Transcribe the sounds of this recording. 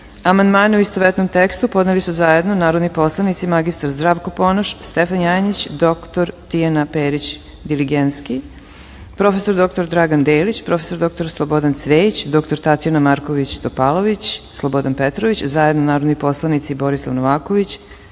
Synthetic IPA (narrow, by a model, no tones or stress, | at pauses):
amand̪maːneuist̪oʋet̪nomt̪ekst̪upo̞d̪nelisuzaje̞d̪nonaːɾod̪nipo̞slˠanit̪simaɡist̪aɾzd̪ɾaːʋkopo̞noʃst̪efanjaːjnit͡ɕd̪o̞kt̪oɾt̪ijanapeːɾit͡ɕ | d̪iliɡent̪ski | pɾo̞fe̞so̞ɾd̪o̞kt̪o̞ɾd̪ɾaɡand̪eːlit͡ɕpɾo̞feso̞ɾd̪o̞k̚t̪o̞ɾslˠobo̞d̪ant̪sʋeːit͡ɕd̪o̞kt̪o̞ɾt̪at̪janamaɾko̞ʋit͡ɕt̪opalˠo̞ʋit͡ɕslˠobo̞d̪anpet̪ɾoʋit͡ɕzajed̪nonaːɾod̪nipo̞slˠanit̪sibo̞ɾislˠa̰ʋnoʋaːko̞ʋit͡ɕ